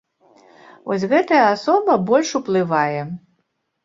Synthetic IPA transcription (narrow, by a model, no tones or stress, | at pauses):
vɔsʲɣɛt̪ɐjɐasɔbɐbɔlʲʂuplˠɨvajɛ